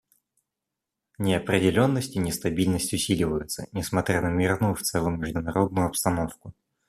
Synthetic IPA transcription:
nʲɪɐpɾʲɪdʲɪlʲo̞nːəsʲtʲɪnʲɪst̪ɐbʲilʲnəsʲtʲʊsʲilʲɪvəjʊt̪sə̰nʲɪsmɐt̪ɾʲanəmʲirnuʊft̪səlʊmʲɪʐd̪ʊnɐɾo̞d̪̚nʊjʊɐpst̪ɐno̞fkʊ

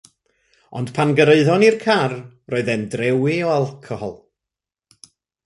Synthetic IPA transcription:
ɔ̰nd̥pʰanɡəɾeɨðɔnirkʰar | roɨðɛndrɛwiɔalˠkʰɔhɔ̰lˠ

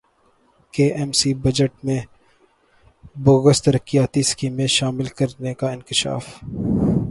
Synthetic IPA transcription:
keːʔɛːmsibɐd͡ʒəʈmẽ | bʊɣəst̪ɐɾəkijaːt̪iskiːmẽʃaːmɪlkɐɾnekaɪnkɪʃa̰ːf

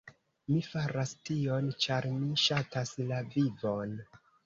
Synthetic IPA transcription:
mifaɾastio̞nt͡ʃaɾmiʃataslavivon

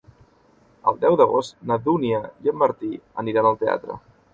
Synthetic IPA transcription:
ə̰lˠd̪ɛwðəɣost̪nəðuniəjəmːəɾt̪iəniɾanəlˠt̪ea̰t̪ɾə̰

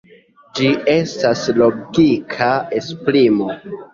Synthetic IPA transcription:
d͡ʒie̞staslo̞ɡikʰaespɾimo̞

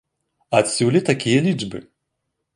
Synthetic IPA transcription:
at̪sʲulʲit̪akʲijɐlʲid͡ʐbɨ̰

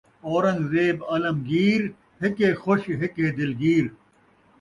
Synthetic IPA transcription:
oːɾɐ̃ŋɡzeːbɐlɐmɡiːɾ | hɪkexoɕɦɪked̪ɪlɡiːɾ

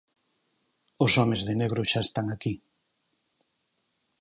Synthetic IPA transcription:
osɔmezðeneɣ̞ɾʊʃaest̪aŋaki

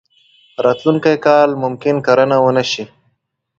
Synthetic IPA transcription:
ɾɑːt̪luŋkajkɑlmʊmkɪnkaɾənawənaʃi

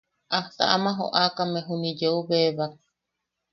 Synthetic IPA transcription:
ʔaht̪a̰ʔamãɦo̰ʔakameɦunid͡ʒeuβeβak̚

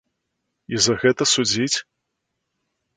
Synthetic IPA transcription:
izɐɣɛt̪ɐsud͡zʲit͡sʲ

